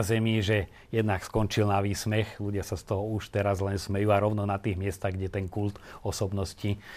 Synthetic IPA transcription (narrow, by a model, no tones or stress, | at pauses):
zɛmiʒɛ | jɛd̪nakskɔnt͡ʃilnaʋiːsmɛxluɟɪasast̪ɔɦɔuʃt̪ɛɾazlɛnsmɛjuːaɾɔʊnɔnat̪iːɣmɪɛst̪aɣɡɟɛt̪ɛŋkult̪ɔsɔbnɔsci